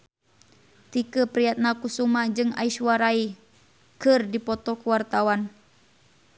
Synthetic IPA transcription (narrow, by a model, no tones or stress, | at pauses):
t̪ikəpɾijat̪̚nakusumad͡ʒɨŋa̰iʃwaɾai | kɨrdipɔt̪ɔkuwart̪awan